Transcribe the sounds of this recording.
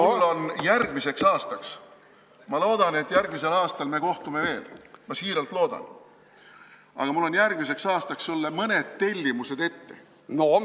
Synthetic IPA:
mulːo̞njærɡ̥mise̞ksɑːst̪ɑks | mɑlo̞ːd̪̥ɑne̞t̪ːˑjærɡ̥mise̞lɑːst̪ɑlme̞ːko̞ht̪ume̞ve̞ːlmɑsiːɾelt̪lo̞ːd̪̥ɑ̰n | ɑ̰ɡ̥ɑmulːo̞njærɡ̥mis̬e̞ksɑːst̪ɑksːulːemɤned̪̥̚t̪e̞lʲːimuse̞d̪e̞t̪ːe̞ | no

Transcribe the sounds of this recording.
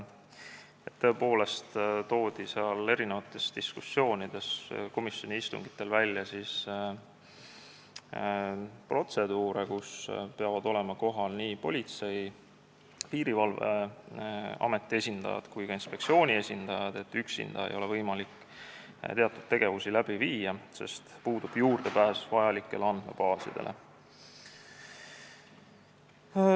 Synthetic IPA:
et̪ːɤe̞po̞ːle̞st̪t̪o̞ːd̪̥iseɑle̞ɾine̞vɑt̪ːˑe̞st̪iskusːo̞ːnid̪̥e̞sko̞misjo̞niist̪ṵŋɡ̥i̥t̪ːˑe̞lvælʲːjɑsis | pro̞t̪se̞d̪uːɾekuspe̞ɑvɑd̪o̞le̞mɑko̞ɦɑlniːpo̞̰lʲit̪se̞j | piːɾivɑlvḛ | ɑ̰me̞t̪ːˑie̞sʲind̪̥ɑ̰jɑ̰d̪̥kujkɑinspe̞k̚t̪sio̞ːnʲie̞sʲind̪̥ɑjɑd̪̥e̞t̪ːˑyksḭnd̪̥ɑ̰jɑ̰ḛjo̞le̞vɤjmɑlikː | t̪e̞ɑt̪ːˑud̪̥̚t̪ːe̞ɡe̞vusilæb̥iviːjɑse̞̰st̪puːd̪ub̥juːrd̪̥e̞pæːsvɑjɑlikːˑe̞leɑnd̪̥mḛbɑːsḭd̪̥e̞̰lʔe̞̰

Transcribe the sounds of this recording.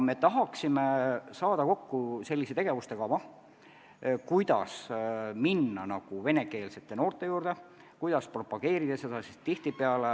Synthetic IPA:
me̞t̪ɑɦɑksimesɑːd̪ɑko̞kːuse̞lʲːiset̪e̞ɡ̥evust̪e̞ɡ̥ɑvɑ | kujd̪̥ɑ̰sminːɑnɑɡ̥uve̞ne̞ke̞ːlse̞t̪ːˑe̞no̞ːrt̪ːˑe̞juːrd̪e̞ | kujd̪̥ɑspro̞pɑɡ̥e̞ːɾid̪̥ɑsed̪ɑsist̪ːiht̪ipeɑle

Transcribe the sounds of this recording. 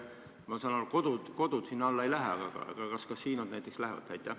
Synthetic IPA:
mɑsɑːnoluko̞d̪̥ud̪̥ko̞d̪̥ud̪̥sinːɑlːɑe̞jlæɦeɑɡ̥ɑ̰ɑ̰ɡ̥ɑkɑskɑssːiːnod̪næjt̪ːˑe̞kslæɦvɑ̰t̪tæjt̪ːˑæ

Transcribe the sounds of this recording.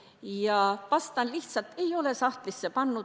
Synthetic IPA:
jɑʋɑst̪ɑnliht̪sɑlt̪e̞jo̞le̞sɑht̪lisːepɑnːu

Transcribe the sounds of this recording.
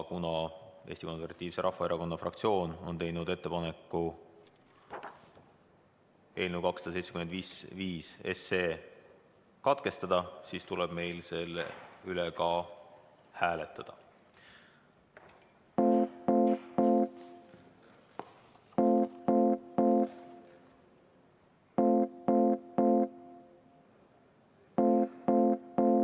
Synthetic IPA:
kunɑe̞̰ːst̪iko̞nserɾvɑt̪ʲːˑiːvseɾʔɑhfːɑeɾɑko̞nːɑfrʔɑ̰kt̪sio̞ːno̞̰nt̪e̞jnud̪e̞t̪ːe̞pɑne̞kːˑu | e̞ːlnewkɑksɑd̪̥ɑse̞jt̪sekyme̞nd̪viːsviːse̞̰seː | kɑt̪ke̞st̪ɑd̪̥ɑsiːst̪ulɛb̥me̞jlse̞lḛylɛkɑ | hæːlet̪ːˑɑd̪̥ɑ

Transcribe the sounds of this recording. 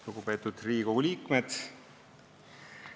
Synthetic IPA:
luɡupe̞ːt̪ːˑud̪̥riːkouliːkmed̪̥

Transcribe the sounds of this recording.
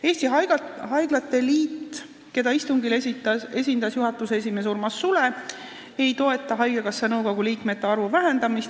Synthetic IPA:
e̞ːsʲt̪iɑɦɑjɡ̥lɑt̪ːe̞liːt̪ˑ | ke̞d̪ɑist̪uŋɡileiɑe̞sʲind̪ɑsjuɦɑt̪ːˑusees̬ʲimes̬urmɑsːule̞ | e̞jt̪o̞e̞t̪ːˑɑɦɑjɡeɡɑsːenɤwɡo̞ɡ̥uliːkme̞t̪ːe̞ɑrvuvæɦe̞nd̪̥ɑmist̪

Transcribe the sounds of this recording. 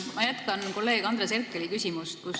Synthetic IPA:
mɑjæt̪kɑnko̞lːe̞ːkɑnd̪ɾreserkːˑelikysʲimust̪̚kus

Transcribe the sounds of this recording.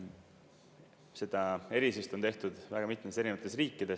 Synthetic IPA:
se̞d̪̥ɑe̞ɾisist̪ot̪e̞ht̪ud̪̥væɡ̥ɑmit̪ːˑmese̞ɾinevɑt̪ːˑe̞sriːkːˑid̪̥es

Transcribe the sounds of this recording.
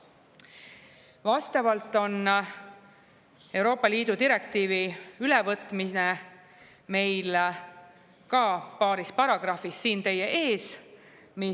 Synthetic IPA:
vɑst̪ɑvɑlt̪ːˑo̞n | e̞wɾo̞ːpːˑɑliːd̪̥ut̪iɾe̞kt̪iːviylevɤt̪ːˑmine | me̞jl | kɑpɑːɾispɑɾɑɡ̥rɑfisːiːnt̪e̞jːe̞ʔeːs | mi

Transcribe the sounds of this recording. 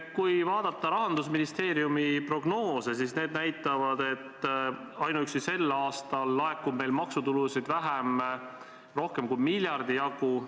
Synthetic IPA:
kujvɑːd̪̥ɑt̪ːˑɑɾɑɦɑnd̪̥us̬minist̪e̞ːɾiumipro̞ɡ̥no̞ːse̞sisne̞ːd̪̚næjt̪ːˑɑvɑd̪e̞t̪ː | ɑjnuyksise̞lːɑːst̪ɑlːɑe̞kːub̚me̞jlmɑksut̪ulusid̪væɦæm | ro̞hke̞mkujmilʲjɑrd̪ijɑɡ̥u

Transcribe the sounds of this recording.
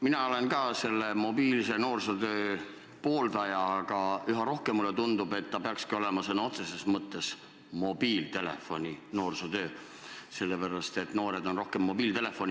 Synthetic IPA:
minɑole̞nkɑːse̞lːemo̞biːlise̞no̞ːrsot̪øː | po̞ːld̪ɑjɑːɡ̥ɑyɦɑɾo̞hke̞mːulet̪und̪ub̥e̞t̪ːɑpeɑkskio̞le̞mɑsɤnːɑo̞t̪sesesmɤt̪ːˑe̞s | mo̞biːlt̪e̞lefːo̞nʲino̞ːrsot̪ø̞ː | se̞lːepæɾɑst̪e̞t̪ːno̞ːɾe̞d̪̥o̞nro̞hke̞mːo̞biːlt̪e̞le̞fo̞nʲi

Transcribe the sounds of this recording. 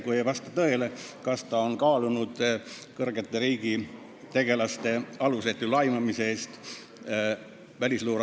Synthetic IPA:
kujevɑst̪ɑt̪ɤe̞lekɑst̪ɑo̞nkɑːlunud̪̥ | kɤrɡ̥e̞t̪ːe̞ɾiːɡ̥i | t̪e̞ɡ̥e̞lɑst̪e̞ɑluset̪ːulɑjmɑmiseeːst̪ | vælʲisluːɾ

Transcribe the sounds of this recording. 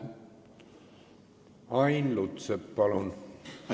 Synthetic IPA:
ɑjnlut̪sepːɑlun

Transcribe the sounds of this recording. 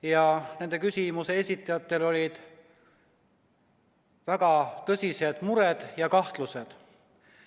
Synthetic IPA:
jɑne̞nd̪ekysʲimuse̞esʲit̪ːˑɑjɑt̪ːˑe̞lo̞lʲid̪̥ | væɡ̥ɑt̪ɤsʲise̞d̪̥muɾed̪̥jɑkɑht̪luse̞d̪̥

